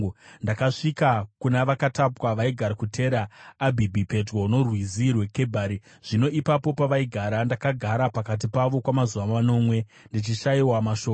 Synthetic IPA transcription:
ndakaʂikakunaʋakatapwaʋaiɡʱaɾakutʰe̞ɾaːbʱibʱipe̞dɡouno̞rwizirwe̞ke̞bʱaːɾi | ʐ̥ino̞ʔipapo̞paʋaiɡʱaɾandakaɡʱaɾapakat̬ipaʋo̞kwamazuʋamano̞ːmwe̞ | ndit͡ʃiʃaiwamaʃo

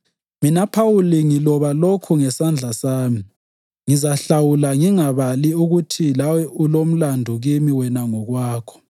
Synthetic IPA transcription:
minapʰawuliŋilɔβalokʰuŋɛsand͡ɮʱasaːmi | ŋizaɬawulaŋiŋaβaliuɣutʰilawɛʔulom̩landʱuɣimiwɛnaŋɔɣwaːkʰɔ̥

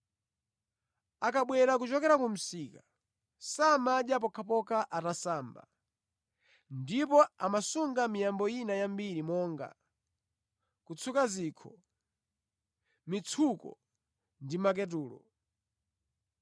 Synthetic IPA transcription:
akaɓwɛɾak̬ut͡ʃɔkɛɾakum̩sika | samaɗjap̬ɔkʰapɔkaʔatasaːmba̰ | ndipɔamasuŋɡamijambɔjinajambiɾimɔːŋɡa̰ | kut͡sʰukaziːkʰɔ | mit͡sʰukɔ̰ | ndimak̬ɛt̬uːlɔ̰

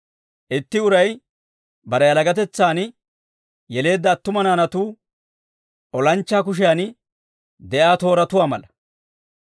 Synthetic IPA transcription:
ʔɪt̪ːɪʊɾɐj | bɐɾɛjɐlɐɡɐt̪ɛt͡sːaːn | jɛle̞ːd̪ːɐːt̪ːʊmɐnaːnɐt̪uː | ʔɔlɐnt͡ʃːaːk̬ʊʃ̬ɪjan | d̪ɛʔaːt̪o̞ːɾɐt̪ʊwaːmɐlɐ

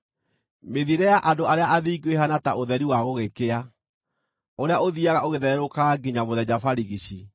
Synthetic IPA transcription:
meðieɾɛjaʔandoaɾeaʔaðiːɡweɦanataʔoðɛɾiwaɣoɣekea | oɾeaoðiaɣaoɣeðɛɾɾokaɡiɲamoðɛd͡ʑafaɾiɣiɕi

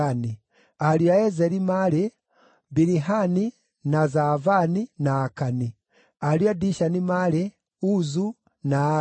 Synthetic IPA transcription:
ni | aljaezeɾimale | biɾiɦani | nazavaninaːkani | aliadiʃanimale | uzu | na

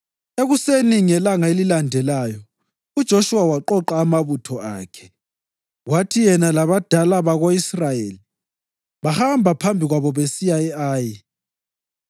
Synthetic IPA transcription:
eɣuseniŋɛlaŋaelilandʱɛlaːjɔ | ud̥ʒ̥ʱoʃuwawaǃɔǃaːmaβutʰɔa̰ːkʰɛ̥ | watʰijɛnalaβad̥ʱalaβaɣoisrajeːli | βahambʱapʰambʱiɣwaβɔβesijaɛaːji

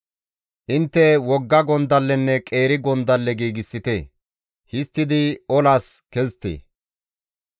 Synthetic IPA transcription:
ʔɪnt̪ːɛwɔɡːɐɡɔnd̪ɐlːɛnːɛkʼe̞ːɾɪɡɔnd̪ɐlːɛɡiːɡɪsːɪt̪eː | hɪst̪ːɪd̪ɪɔlaːskɛzt̪ḛː

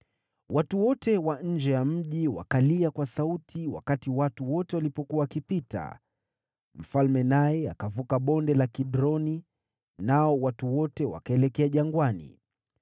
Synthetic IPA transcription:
watuwɔtɛwaɲ̩d͡ʒɛjam̩ʄiwa̰kaliakwasautʰiwa̰katiwatuwɔtɛwalipɔkuwawakipita̰ | m̩falmɛnajɛakavukaɓɔndɛlakiɗɾɔni | naɔwatuwɔtɛwa̰kaɛlɛkɛaʄaŋɡwanḭ

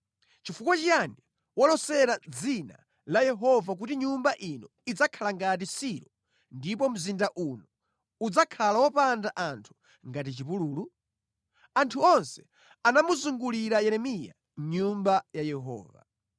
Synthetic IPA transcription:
t͡ʃifukwat͡ʃijani | wɔlɔsɛɾad͡zina̰ | lajɛɦɔvak̬utiɲumbaʔinɔ | id͡zakʰalaŋɡat̬isiɾɔ | ndip̬ɔm̩zindaʔunɔ | ud͡zakʰalawɔpandaʔantʰu̥ | ŋɡat̬it͡ʃipuluːlu | antʰuɔnsɛ̥ | anamuzuŋɡuliɾajɛɾɛmija̰ | ɲumbajajɛɦɔ̰ːva̰

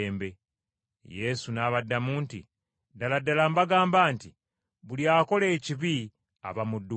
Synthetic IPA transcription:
mbe̞ | je̞sunaβadːamuːntḭ | daladːalambaɡaːmbaːnti | βuljaːko̞le̞ːciβi | a̰βamudːu

